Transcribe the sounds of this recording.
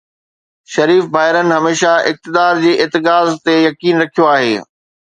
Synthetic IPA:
ʃɐɾiːfbaːɦɪɾənɪ̆ɦɐmeːʃaʔɪk̚t̪ɪd̪aːɾd͡ʑiːʔɪt̪ɪɡaːzt̪ejɐkiːnɾɐkʰijoaːɦḛː

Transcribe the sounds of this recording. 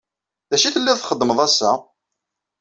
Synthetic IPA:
ðæʃiθəlːiðθχəd̪ːməðˤæsːa

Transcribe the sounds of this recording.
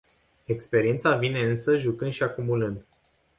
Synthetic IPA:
e̞kspe̞ɾient̪savine̞ɨnsəʒukɨnd̪ʃiakumulɨnd̪

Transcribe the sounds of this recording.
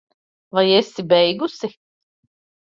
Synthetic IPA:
vajesibɛjɡusi

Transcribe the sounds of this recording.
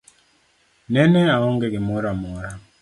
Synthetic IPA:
nɛnɛaɔŋɡɛɡɪmɔɾamɔɾa

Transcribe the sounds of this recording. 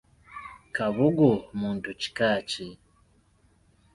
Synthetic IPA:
kaβuɡomuːntuci̥kaːci

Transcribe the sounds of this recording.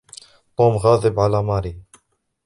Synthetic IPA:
t̪oːmɣɑːðɪbʕalamɑːɾi

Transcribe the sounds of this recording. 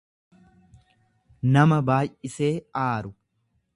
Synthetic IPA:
nɐmɐbaːjʔʔɪse̞ːaːɾʊ

